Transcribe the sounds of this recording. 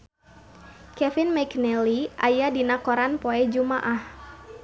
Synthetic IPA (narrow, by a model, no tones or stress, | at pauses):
kɛfɪnmaknɛliʔajadinakoɾanpoɛd͡ʒumaʔah